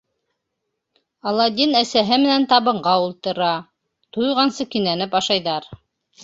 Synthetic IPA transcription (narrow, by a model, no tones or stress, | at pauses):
ɑlˠɑd̪ʲinæsæɦɘmɘ̆nænt̪ɑβɤ̆ɴɢɑulˠt̪ɤ̆ɾɑ | t̪ujʁɑnsɤkinænɘpɑʃɑjðɑɾ